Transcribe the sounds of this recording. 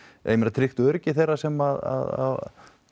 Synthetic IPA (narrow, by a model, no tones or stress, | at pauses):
ɛ̰jmɛnɾat̪ʰɾɪxt̪ʏœɾcɪθejrːasɛmaða̰ða̰